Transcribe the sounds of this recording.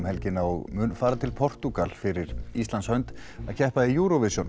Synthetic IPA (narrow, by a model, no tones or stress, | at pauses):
mhɛlcɪnaɔɣmʏnfaːɾat̪ʰɪlpʰɔr̥t̪ukalfɪɾɪɾist̪lanshœɥjnt̪ | aðcʰɛhpaðɪjuːɾɔvɪsjɔn